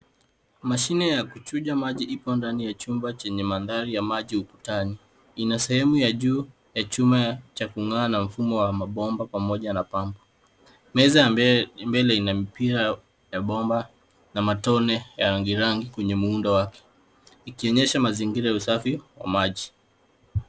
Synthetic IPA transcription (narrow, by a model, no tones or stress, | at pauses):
maʃinɛjakut͡ʃuʄamaʄiʔipɔndanijat͡ʃumbat͡ʃɛɲɛmanðaɾijamaʄiupu̥tani | inasɛhɛmujaʄuː | jat͡ʃumat͡ʃakuŋaːnam̩fumɔwamaɓɔmbapamɔʄanapambɔ | mɛzambɛlɛinamipiɾa | jaɓɔmba | namatɔnɛjaɾaŋɡiɾaŋɡikwɛɲɛmuundɔwakɛ̥ | ikiɔɲɛʃamaziŋɡiɾajausafiwa̰maʄi